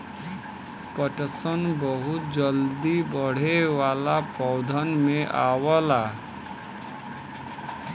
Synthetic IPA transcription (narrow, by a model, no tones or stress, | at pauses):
pəʈəsənbəɦʊt̪̚d͡ʒəld̪ibəɽ̤ewalapɔwd̪ʱənmeʔaːwəla